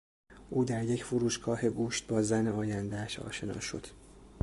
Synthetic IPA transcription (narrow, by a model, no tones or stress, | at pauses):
ʔuːd̪æɾje̞cʰfoɾuːʃɡʰɒːhe̞ɡuːʃt̪̚bɒːzæneɒːjænd̪eæʃɒ̰ːʃe̞nɒ̰ːʃo̞̰d̪̥